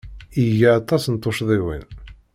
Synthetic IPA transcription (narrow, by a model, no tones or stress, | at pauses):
iʝaɑt̪ˤːɑsnt̪ˤːoʃðˤiwḭn